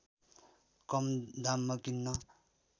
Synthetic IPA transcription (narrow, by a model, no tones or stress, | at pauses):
kʌmd̪amːʌkinːʌ